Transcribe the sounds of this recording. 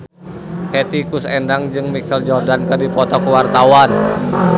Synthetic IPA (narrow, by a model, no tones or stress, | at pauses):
hɛt̪ikusɛndaŋd͡ʒɨŋmikɛld͡ʒɔrdankərdipɔt̪ɔkəwart̪awan